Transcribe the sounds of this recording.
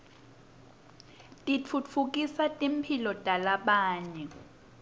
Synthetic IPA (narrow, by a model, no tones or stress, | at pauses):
tʼit͡fʰut͡fʰuk̬ʼisatʼim̩pʰilɔd̥ʼʱalaɓaːɲɛ